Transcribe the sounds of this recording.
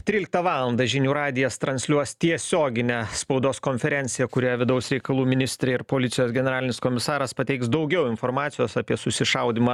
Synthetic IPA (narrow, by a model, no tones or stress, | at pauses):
t̪ʲɾʲilʲɪk̚t̪ɐʋɑːlˠɐnd̪ɐʒʲɪnʲuːɾɑːd̪ʲɪjɛst̪ɾɐnʲsʲlʲuɔst̪ʲiɛsʲoːɡʲɪnʲɛspɒʊd̪oːskoːnʲfʲɛɾʲɛnʲsʲɪjɛkʊɾʲojɛʋʲɪd̪ɐʊsɾʲɛɪkɐlˠuːmʲɪnʲɪsʲt̪ʲɾʲeɪɾpoːlʲɪt̪sʲɪjoːsɡʲɛnʲɛɾɑːlʲɪnɪskoːmʲɪsɑːɾɐspɐt̪ʲɛɪksd̪ɒʊɡʲɛʊɪnfoːɾmɑːt̪ʲɪjoːsɐpʲiɛsʊsʲɪʃɐʊd̪ʲɪmɑ